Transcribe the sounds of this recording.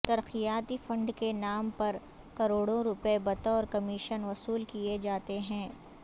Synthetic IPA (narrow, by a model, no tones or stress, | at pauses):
t̪ɐɾqijaːt̪ifɐ̃ɳɖkenaːmpɐɾ | kɐɾoːɽõɾʊpebɐt̪oɔːɾkɐmiːʃənʋɐsuːlkijed͡ʒaːt̪eɦɛ̃ː